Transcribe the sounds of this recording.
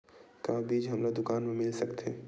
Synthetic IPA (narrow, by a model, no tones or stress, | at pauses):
kabiːd͡ʒɦɐmlad̪ʊkaːnmẽmɪlsɐkt̪eː